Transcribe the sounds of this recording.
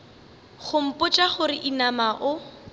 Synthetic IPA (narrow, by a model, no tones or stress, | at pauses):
χʊm̩pʼʊt͡ʃʼaχʊɾɪʔinamaʔʊ